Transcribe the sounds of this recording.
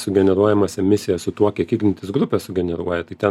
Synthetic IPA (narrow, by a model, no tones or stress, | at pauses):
sʊɡʲɛnʲɛɾuɔjɛmɐsɛmʲɪsʲɪjɛssʊt̪uɔkʲiɛkʲiːɡnʲɪnʲt̪ʲɪsɡɾʊpʲɛːsʊɡʲɛnʲɛɾuɔjɛt̪ɐɪt̪ʲɛ